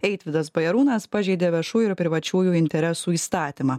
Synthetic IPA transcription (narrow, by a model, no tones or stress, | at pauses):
ɛɪt̪ʲʋʲɪd̪ɐsbɐjɛɾuːnɐspɑʒʲɛɪd̪ʲeːʋʲɛʃuːjʊɪɾpʲɾʲɪʋɐt͡ʃʲuːjuːɪnʲt̪ʲɛɾʲɛssuːiːst̪ɑːt̪ʲimɑː